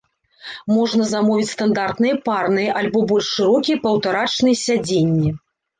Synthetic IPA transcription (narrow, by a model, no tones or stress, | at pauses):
mɔʐnɐzamɔvʲit͡sʲst̪and̪art̪nɨjɛparnɨjɐʔalʲbɔbɔlʲʂːɨɾɔkʲiɛpɐwt̪aɾat͡ʂnɨjɛsʲad͡zʲenʲːɛ